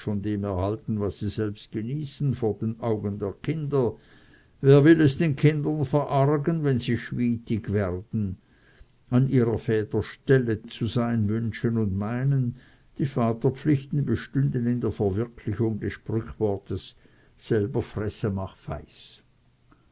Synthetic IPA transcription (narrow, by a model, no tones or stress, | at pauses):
fɔndeːmɛɐhaltn̩vasːiːzɛlpst̚ɡ̥eniːsn̩foːɐdeːnʔaʊɡəndeːɐkʰɪndɐ | veːɐvɪlɛsd̥eːnkʰɪndɐnfɛʁʔaʁɡənvɛnziːʃviːtɪɡvɛʁd̥n̩ | anʔiːʁɐfɛːtɐʃtɛlət͡suzaɪnvʏnʃənʊndmaɪnən | d̥iːfaːtɐp͡fflɪçtn̩bəʃtʏndənɪndeːɐfɛɐvɪɐkʰlɪçʊŋdɛsʃpʁʏçv̥ɔʁtəsː | ɛlbɐfʁ̥ɛsəmaχfa̰ɪs